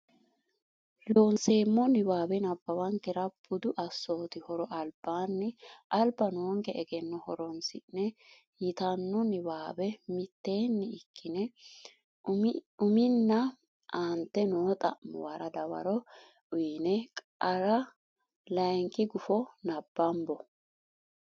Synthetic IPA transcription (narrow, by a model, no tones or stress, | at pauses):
loːnse̞ːmːɔnɪwaːbɛnɐbːɐwɐŋkɛɾɐb̥ʊd̪ʊʔɐsːo̞ːt̪ɪhɔɾɔʔɐlb̥ːaːnːɪʔɐlbɐnoːŋɡɛʔɛɡɛnːɔhɔɾɔnsɪʔnɛ | jɪt̪ɐnːɔnɪbaːbɛmɪt̪ːe̞ːnːɪɪkʰːɪnɛ | ʊmɪnːɐ | ant̪ːɛnoːt̪ʼɐʔmɔ̰wɐɾɐd̪ɐwɐ̰ɾɔ | ʊjnɛkʼɐɾɐ | lɐjŋkʼɪɡʊfɔnɐb̥ːɐmbɔ